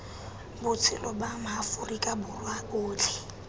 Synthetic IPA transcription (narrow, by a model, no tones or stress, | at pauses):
bʊt͡sʰɪ̰lɔbam̩afʊrikʼabʊrwaʊːlɪ